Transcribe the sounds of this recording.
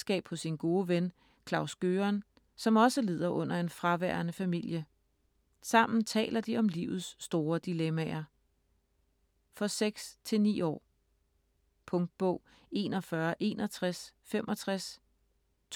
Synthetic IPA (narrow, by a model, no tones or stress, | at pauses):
sɡ̥ɛ̰ːb̥hɔ̽sːinɡ̥o̝ːəʋen | kʰlɑ̈ʊsɡ̥øːɐn | sɒ̽mɒ̽səle̝ð̰ˠɐʔɔ̽n̰ɐe̝nfʁɑ̈ʋæːɐnəfæmil̰jə | sɑ̈m̰n̩t͡sʰɛ̰ːlɐd̥iɒ̽mliʊð̞̩ˠsːd̥o̝ːɐd̥ilemæɐ | fɒ̽seɡ̥st͡sʰe̝lnḭːɒ̰ː | pʰɔ̽ŋd̥̚b̥ɔ̽ʊ̰ | e̝ːnɒfɶɐʔe̝ːnɒt͡sʰʁasfemʔɒ̽t͡sʰʁas | t͡sʰ